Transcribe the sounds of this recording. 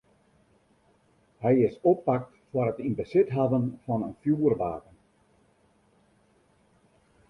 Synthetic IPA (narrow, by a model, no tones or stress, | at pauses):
hɛjɪsɔpːak̚tfwərətinbəsɪtɦavənfɑnənfjuːərʋa̰ːdən